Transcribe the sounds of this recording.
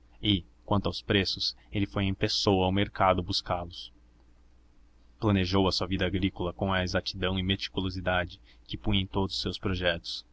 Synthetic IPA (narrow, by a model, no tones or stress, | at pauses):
ɪkwɐ̃nt̪ʊawspɾesʊs | elɪfojẽj̃pesowawmeɾkad̪ʊbuskaɾlʊs | plɐ̃neʒowɐsuɐvid̪ɐaɡɾikolɐkõw̃ɐezat͡ʃid̪ɐ̃w̃ɪmet͡ʃ̪i̥kulozid̪ad͡ʒɪ | kɪpũj̃ẽj̃t̪od̪ʊzsːewspɾoʒɛt̪ʊ̥s